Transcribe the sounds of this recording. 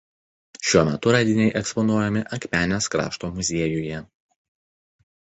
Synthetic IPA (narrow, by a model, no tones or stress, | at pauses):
ʃʲuɔmʲɛt̪ʊɾɑːd̪ʲɪnʲɛɪʔɛkspɔnuɔjɛmʲɪʔɐkʲpʲæːnʲɛskɾɑ̰ːʃt̪oːmʊzʲiɛjʊjɛ